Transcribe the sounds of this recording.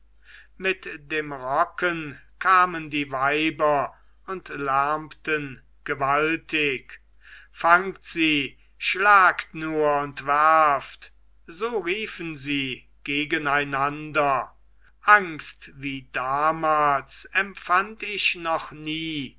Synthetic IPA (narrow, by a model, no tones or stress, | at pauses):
mɪtdeːmʁɔkənkʰaːməndiːvaɪbɐ | ʊntlæɐmtən | ɡ̥əvaltɪk | faŋktz̥iː | ʃlaːktnuːɐʊntv̥æʁɐft | zoːʁiːfənziː | ɡ̥eːɡənaɪnandɐ | ʔaŋkstviːdaːmaːlsɛmfantɪʃnɔχniː